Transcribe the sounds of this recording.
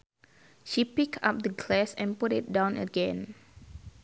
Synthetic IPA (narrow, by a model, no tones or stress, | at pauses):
ʃipikʰa̰p̚dəɡlɛsɛ̃nputɪt̚dãʊ̃nə̰ɡɛ̃n